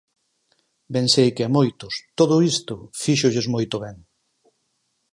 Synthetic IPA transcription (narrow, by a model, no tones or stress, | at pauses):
bẽnsejkɪamojt̪ʊst̪oðʊist̪ʊfiʃʊʎezmojt̪ʊβɛŋ